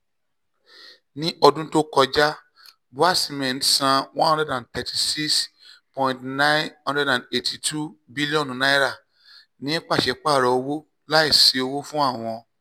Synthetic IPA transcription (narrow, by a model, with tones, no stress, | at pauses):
nĩ˦ʔɔ˧dũ˦to˦kɔ˧d͡ʒa˦ | bo˨˦a˦˨sĩ˨˧mɛ̃˨n̩˦˨sã˧w̃ɔ̃˦hɔ̃˦dɾɛ˦dã˨tɛ˨ti˧˨si˦kspɔ̃˨ĩ˨ntnã˦nɔ̃˦dɛ˦dã˨ne˨tʰi˨tʰu˦bi˦li˦ɔ̃˦n˨nã˦ɾa˦˨ | nĩ˦ɛ˦k͡pa˦˨ʃɛ˧k͡pa˦˨ɾɔ˧˨o˧wo˦ | la˦i˦˨se˨˧o˧wo˦fũ˦a˦˨w̃ɔ̃˧